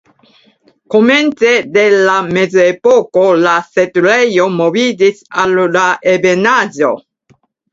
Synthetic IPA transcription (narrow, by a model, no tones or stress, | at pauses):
koment͡sed̪elamezepokolaset̪ulejomovidisaldaʔebenad͡ʒo